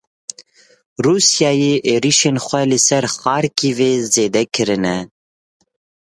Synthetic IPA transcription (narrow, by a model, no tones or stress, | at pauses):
ruːsjɑːjeːʔeːɾiʃeːnxʷɛlɨsɛɾxɑːɾkiːveːzeːd̪ɛkʰɨɾɨnɛ